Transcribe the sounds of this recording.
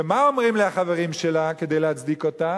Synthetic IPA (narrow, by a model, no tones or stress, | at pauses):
emao̞mʁimleaχave̞ʁimʃelaked̪ejleɦat͡sd̪ikota